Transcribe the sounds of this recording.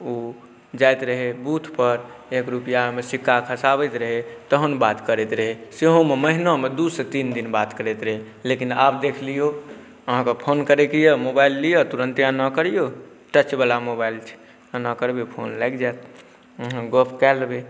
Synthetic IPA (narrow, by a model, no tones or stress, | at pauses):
o | d͡ʒajt̪ɾəɦebut̪ʰpəɾekɾupijamesikːakʰəsaβɛt̪ɾəɦet̪əɦənbat̪kəɾɛt̪ɾəɦeseɦõmeməɦinamed̪uset̪ind̪inbat̪kəɾɛt̪ɾəɦe | lekina̰bd̪ekʰlijo | əɦãkepʰonkəɾekijəmobailːijət̪uɾə̃nt̪ijanəkəɾijo | ʈət͡ʃbalamobailt͡ʃʰ | nəkəɾbepʰo̰nlajkd͡ʒat̪̚ | ɦɡopʰkɛlbe